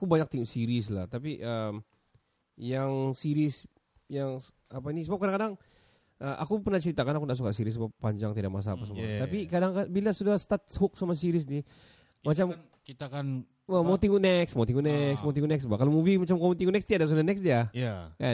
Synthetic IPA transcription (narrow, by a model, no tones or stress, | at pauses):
akubaɲak̚t̪iŋuʔsiɾisla̰ht̪apiʔəm | jaŋsiɾɪs | jaŋ | apanisəbap̚kadaŋkadaŋ | ʔəʔa̰kupərnaht͡ʃəɾit̪akanakundaʔs̬ukaʔsiɾɪs̬ːəbapːaɲd͡ʒaŋt̪idak̚mas̬aːpasamut̪apikadaŋkabilasudahst̪at̪̚hʊk̚samas̬iɾɪs̬ni | mat͡ʃam | kit̪akan | amaut̪iŋɡunɛksmat̪iŋuʔnɛksmawt̪iŋɡunɛksbakalomuvimat͡ʃamkomut̪iŋɡunɛkst̪iadas̬udahnɛksdiaka